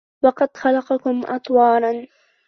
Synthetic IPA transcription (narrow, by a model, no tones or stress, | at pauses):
wɑqɑd̪xɑlɑqɑkʊmʔɑ̰t̪ˤwɑːlɑn